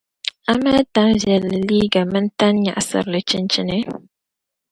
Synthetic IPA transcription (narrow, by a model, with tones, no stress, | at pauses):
a˦ma˦ta˦nvjɛ˨lːɨ˨li˦ɡa˨mɨ˦n˦ta˦nɲa̰˨ʔa˨sɨ̰˨ɾlɨ˨t͡ʃi˦nt͡ʃi˦nɨ˦